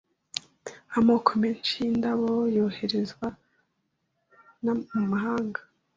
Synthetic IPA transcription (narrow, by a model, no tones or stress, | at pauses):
amoːkʰomeːnt͡ʃindaβojoːhe̞ɾezɡwa | namumaɦaːŋɡa